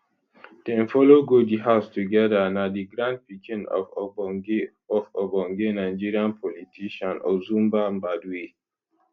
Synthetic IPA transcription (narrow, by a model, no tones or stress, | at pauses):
d̥ɛ̃nfɔloɡodiɦaʊstuɡɛdanadiɡɹãnd̚pikĩnɔ̰f | ɔfɔbɔ̃ŋɡenaɪd͡ʒiɹiãnpʰɔlitʰiʃãnɔ̰zũmbambadwe